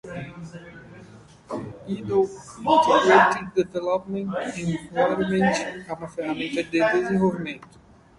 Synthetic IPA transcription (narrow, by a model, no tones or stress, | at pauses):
id̪owĩt̪eɡɾet̪ĩkd̪evelɔpmẽnt̪ẽɔɾmẽnt͡ʃɛumɐfeɦamẽnt̪ɐd̪ed̪ezẽvowvimẽnt̪ʊ̥